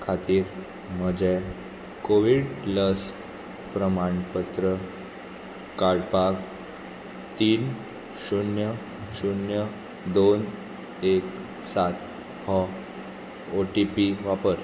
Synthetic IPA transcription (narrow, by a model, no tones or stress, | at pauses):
kʰat̪iːɾ | məd͡ʑe | koʋiɖləs | pɾəmaɳpət̪ɾə | kaɽpak | t̪iːn | ɕunjə | ɕunjə | d̪on | ek | sat̪̚ | hɔ | oʈipiʋapəɾ